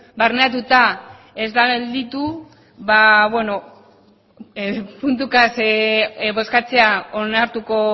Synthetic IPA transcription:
baɾneat̪ut̪a | e̞zd̪aɣeld̪it̪u | βaβwe̞no̞ | punt̪̬ukas | βo̞skat͡se̞aonaɾt̪uko̞

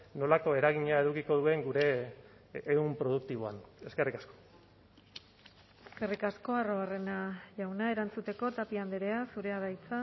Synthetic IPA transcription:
no̞lako̞e̞ɾaɣiɲaeðukiko̞ðue̞ŋɡuɾe̞ː | umpɾo̞ð̞ukt̪iβ̞oa̰ne̞ske̞rikasko | eske̞rikasko̞aro̞are̞naʝawnae̞ɾant͡sut̪e̞ko̞t̪apiand̪eɾe̞asuɾe̞aðajt͡sa

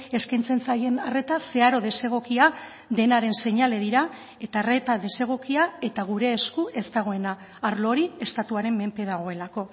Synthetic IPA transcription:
e̞skajnt͡se̞nt͡sajenare̞t̪ase̞aɾo̞ð̞e̞se̞ɣ̞o̞kia | ðe̞naɾe̞nse̞ɲale̞ð̞iɾa | e̞t̪are̞t̪aðe̞se̞ɣ̞o̞kiae̞t̪aɣ̞uɾe̞ːskue̞st̪aɣ̞o̞e̞naː | ɾlo̞ɾie̞st̪at̪uaɾe̞mːe̞mpe̞ð̞aɣ̞o̞e̞lako̞

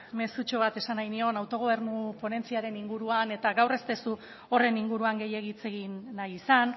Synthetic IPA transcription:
me̞sut͡ʃo̞β̞at̪e̞sanajnio̞nawt̪o̞ɣ̞o̞β̞e̞ɾnupo̞ne̞nt͡siaɾe̞niŋɡuɾuane̞t̪aɣawre̞st̪e̞su | o̞re̞niŋɡuɾuaŋɡe̞je̞ɣ̞it͡se̞ɣinːajisan

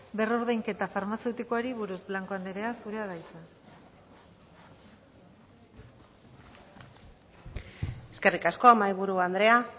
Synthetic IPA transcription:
bero̞ɾðejŋke̞t̪afaɾmase̞wt̪ikoaɾiβuɾuzblaŋko̞and̪eɾe̞asuɾe̞aðajt͡sa | e̞ske̞rikasko̞amajβuɾuand̪ɾe̞a

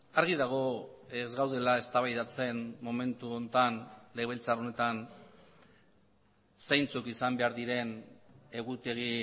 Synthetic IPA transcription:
aɾɣiðaɣ̞o̞ezɣawð̞e̞lae̞st̪aβajðat͡se̞nmo̞me̞nt̪uo̞nt̪anle̞ɣβelt͡saro̞ne̞t̪an | sajnt͡sukisambe̞aɾðiɾe̞ne̞ɣut̪e̞ɣi

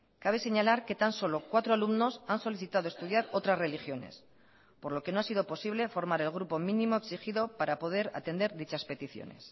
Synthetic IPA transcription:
kaβ̞e̞se̞ɲalaɾke̞t̪anso̞lo̞kwat̪ɾo̞alumno̞sanso̞liθit̪að̞oe̞st̪uð̞jaɾo̞t̪ɾasre̞lixjo̞ne̞̰s | po̞ɾlo̞ke̞no̞asið̞o̞po̞siβle̞fo̞ɾmaɾe̞lɣ̞ɾupo̞mĩnĩmo̞eksixiðo̞paɾapo̞ð̞e̞ɾa̰t̪e̞nd̪e̞ɾðit͡ʃaspe̞t̪iθjo̰nḛs

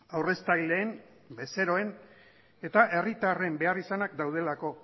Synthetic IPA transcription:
awre̞st̪ajld̪e̞ːn | be̞se̞ɾo̞e̞n | e̞t̪aʔe̞rit̪are̞mbe̞arisanakd̪awð̞e̞lako̞

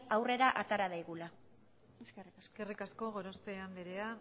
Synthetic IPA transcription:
awre̞ɾaʔat̪aɾaðajɣula | srkerikasko̞ɣoɾost̪eand̪eɾea

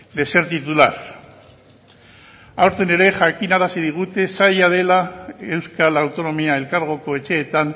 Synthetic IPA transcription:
d̪e̞se̞ɾt̪it̪ulaɾ | awɾt̪ene̞ɾe̞ʝakinaɾasið̞iɣ̞ut̪e̞sajað̞e̞lae̞wskalawt̪o̞no̞miae̞lkaɾɣ̞o̞ko̞e̞t͡ʃe̞ːt̪an

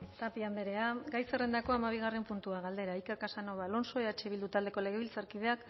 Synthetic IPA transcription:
t̪apiand̪eɾe̞aɡajserend̪ako̞amaβ̞iɣ̞are̞mpunt̪uaɣald̪e̞ɾaikeɾkasano̞βalo̞nso̞eat͡ʃeβild̪ut̪ald̪e̞ko̞le̞ɣ̞e̞βilt͡saɾkið̞e̞ak

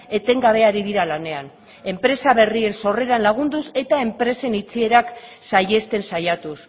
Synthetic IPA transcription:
e̞t̪e̞ŋɡaβ̞e̞aɾiðiɾalane̞an | e̞mpɾe̞saβe̞rie̞nso̞re̞ɾanlaɣ̞und̪use̞t̪ae̞mpɾe̞se̞nit͡sie̞ɾak | saje̞st̪e̞nsajat̪us

